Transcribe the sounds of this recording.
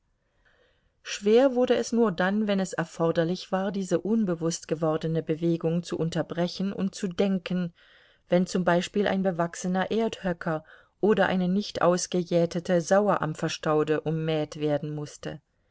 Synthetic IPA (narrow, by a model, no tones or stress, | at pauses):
ʃv̥eːɐvʊɐdəɛsnuːɐdanvɛnɛsɛɐfɔɐdɐlɪçv̥aːɐdiːzəʔʊnbəvʊstɡ̥əvɔɐdənəbəveːɡʊŋt͡suʔʊntɐbʁɛçn̩ʔʊ̰nt̚t͡sudɛŋkən̩ | v̥ɛnt͡sʊmbaɪʃpiːlʔa̰ɪnbəvaksənɐʔeːɐthœkʰɐ | ʔoːdɐʔa̰ɪnənɪçtʔa̰ʊsɡ̥əjɛːtʰətʰəzaʊɐʔa̰mfɐʃtaʊdəʔʊmːɛːtv̥eːɐdn̩mʊstə̰